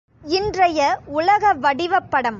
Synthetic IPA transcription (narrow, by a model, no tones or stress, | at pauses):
ɪndrɐjɐʊlɐɣɐʋɐɽɪʋɐpːɐɽɐm